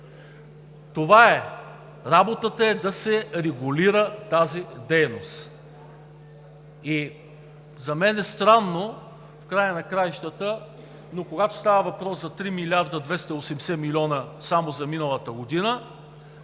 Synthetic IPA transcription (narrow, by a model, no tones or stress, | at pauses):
t̪ovaɛ | ɾabot̪ət̪əɛd̪ɐsɛɾɛɡʊliɾət̪azid̪ɛjnost̪ | i | zɐmɛnɛst̪ɾanːo | fkɾajənɐkɾajʃt̪ət̪ə | nokoɡat̪o̥st̪avəvɐpɾɔszɐt̪ɾimilʲaɾd̪ɐd̪vɛst̪ɐiosɛmsɛmilʲiɔnəsamozɐminəlˠɐt̪əɡod̪inə